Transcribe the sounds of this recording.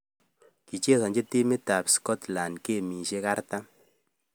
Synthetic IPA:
ki˨t͡ʃe˦sɔ˨ɲd͡ʒe˦ti˦mi˦ta˨pskɔ˦t̪la˨nke˦˨mi˨ʃe˦ka˦ɾta˦

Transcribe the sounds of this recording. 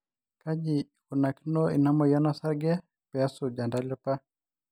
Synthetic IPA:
ka˦d͡ʒi˨ | ku˨na˨ki˦nɔ˦ḭ˨na˦mɔ˨ja˦na˦sa˦ɡɛ˦ | pɛ˨a˦sud͡ʒa˨nda˦lɛ˦pa˦

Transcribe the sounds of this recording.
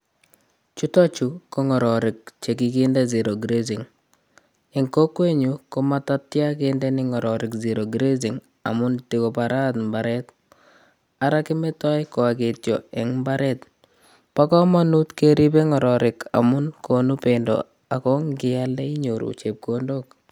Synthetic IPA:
t͡ʃu˦tɔ˦t͡ʃu˨ko˨ŋɔ˨ɾɔ˨ɾɪ˨k̚t͡ʃe˨kiki˦nde˦zi˨ɾo˨ɡɾe˦zi˨ŋ | e˨ŋko˦kwe˦ɲukomata˦tja˦kende˦nɪŋɔ˨ɾɔɾɪkziɾo˨ɡɾe˦zi˨ŋ | a̰˨mʊ˦ntiko˨paɾa˦tmbaɾɛt | aɾa˦ki˦mɛ˦tɔ˦jkɔ˨a˨ke˨tjɔ˨ɛ˨ŋmbaɾɛt̚ | pa˦kɔ˦mɔ˦nu˦tke˦ɾi˦pe˦ŋɔ˨ɾɔɾɪ˨kʰa̰˨mʊ˦nkʰonu˦pendɔ̰ | a˨kɔ˦ŋɡɪ˦ja˦le˦i˦ɲoɾṵt͡ʃe˨p̚kondok̚

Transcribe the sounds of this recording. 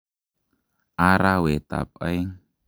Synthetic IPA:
aɾawe˨t̪a̰˨p̚ə˦jŋ

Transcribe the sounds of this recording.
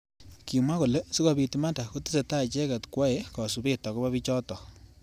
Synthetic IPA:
ki˨ma˦ko˨le˦su˦ka˨bi˨tima˦nda˨ko˦ti˦se˨ta˦˨t͡ʃɛ˦ka˨tkwa˦e˦kɔ˨su˨bɪ˦tɔ˨kɔ˦ba˦βi˦t͡ʃɔ˦tɔ˨

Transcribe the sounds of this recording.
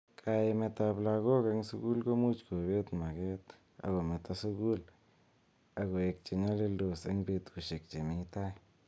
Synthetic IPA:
kʰa˧jme˧t̪a˧bla˧ɣo˦ka˧ŋsu˦ɡu˦lɡo˦mu˦t͡ʃko˨be˦t̪ma˨ɡe˦t̪ | a̰˨ɡo˨me˨t̪a˧su˦ɡu˦l | a˧ɡo˨e˨˧k̚t͡ʃe˨ɲa˦le˦˧ld̪o˨sḛ˦ŋbe˧t̪u˨ʃe˨k̚t͡ʃe˨mi˧t̪a˦j

